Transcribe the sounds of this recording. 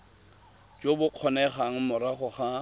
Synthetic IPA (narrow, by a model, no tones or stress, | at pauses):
t͡ʃʼobʊq͡χʰɔnɛχaŋ̩mʊɾaχʊχa